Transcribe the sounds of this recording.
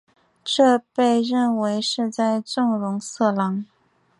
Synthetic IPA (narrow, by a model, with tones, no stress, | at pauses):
ʈ͡ʂɤ˥˧pe˥˧ɪɻə˥˩nwe˧˥ɪʂɻ̩˥˧t͡sa˥˧ɪʈ͡ʂʊ˥˩ŋɻʊ˧˥ŋsɤ˥˩lɑ˧˥ŋ